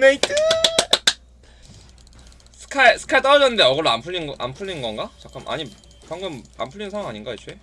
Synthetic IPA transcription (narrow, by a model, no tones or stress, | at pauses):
net | sʰɯ̥kʰasʰɯ̥kʰait͈ʌɾʌd͡ʑʌnːɯnde̞ʌɡʌɾoampʰuɭːinɡʔa̰mpʰuɭːinɡʌnɡat͡ɕak͈ɯmʔa̰ɲi | paŋɡɯma̰mpʰuʎːinsʰawaŋaɲinɡait͡ɕʰwe